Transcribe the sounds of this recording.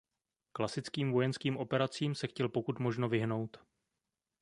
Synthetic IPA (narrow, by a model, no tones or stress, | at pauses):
klasɪt͡skiːmvo̞jɛnskiːmʔo̞pɛɾat͡siːmsɛxcɛlpo̞kut̪mo̞ʒno̞vɪɦno̞wt̪